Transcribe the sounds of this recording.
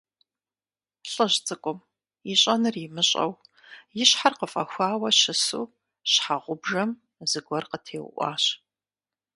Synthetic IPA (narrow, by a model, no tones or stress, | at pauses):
ɬʼɨʑt͡sʼɨkʷʼʊm | iɕʼɐnɨrɪmɨɕʼɐ̰w | jɪɕħarqəfʼɐ̰xʷaːwɐʃɨsṵː | ɕħaʁʷʊbʐɐm | zɨɡʷɔrqətʰeːw̰ʔʷɑ̰ːɕ